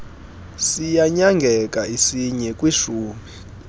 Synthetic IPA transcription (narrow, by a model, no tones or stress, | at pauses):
sijaɲaŋɡʱɛkʼaisiɲɛkʼwiʃuːmi